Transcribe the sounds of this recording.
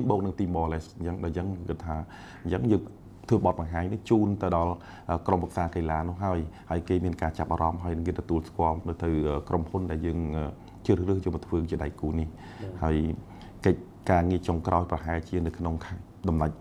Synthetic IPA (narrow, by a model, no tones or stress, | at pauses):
mɓɔːk̚nɨŋt̪iːmɓɑːlɛst͡ɕəŋɗajt͡ɕəŋkɨt̪ʰːaː | ɲt͡ɕəŋjəːŋ | t̪ʰəːɓɑt̪̚ɓɑŋɦaːɲnɨht͡ɕuːnt̪ɨwɗɑl | ʔəːkrompʰək̚saːkelaːnʊ̆əɦaəjhaəjkeːmiənkaːt͡ɕap̚ʔaːɾɑmɦaəjnɨŋkeːt̪ɔt̪uəlskŏəlnɨwt̪ɨwʔəːkrʔomhunɗaɛljəːŋʔəː | t͡ɕərrɨːhjəːmɨt̪ʰʋəːt͡ɕiəɗajkuːnih | haəj | kəc̚ | kaːŋiət͡ɕoŋkrʔaɔjprɑɦaɛlt͡ɕiənɨwkʰnoŋkʰ | ɗɑmnac̚